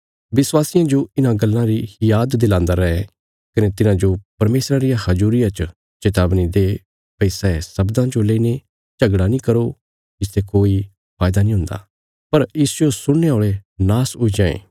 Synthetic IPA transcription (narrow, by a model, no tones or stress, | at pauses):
ʋɪswaːsɪjãd͡ʒoɪnãɡɐlːãɾijaːd̪ːɪlãːnd̪aɾɐɛ | kɐnet̪ɪnãd͡ʒopɐɾmeːsɾaɾɪjãhɐd͡ʒuːɾɪjãt͡ʃ | t͡ʃɪt̪aːbnid̪e | pɐisɛesɐbd̪ãd͡ʒoleiːne | t͡ʃɐɡɽanĩkɐɾo | ɪst̪ekoːi | pʰaːjd̪anĩɦʊ̃nd̪a̰ː | pɐɾɪsd͡ʒosʊɽ̃neaoːɭenaːsʊid͡ʒãːḛː